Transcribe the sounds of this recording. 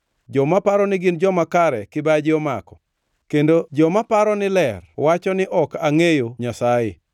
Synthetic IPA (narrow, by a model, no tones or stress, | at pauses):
d͡ʒɔmapaɾɔnɪɡɪnd͡ʒɔmakaɾɛkɪbad͡ʒɔma̰kɔ̥ | kendod͡ʒɔmapaɾɔnɪlɛrwat͡ʃɔnɪʔɔkaŋejoɲasaje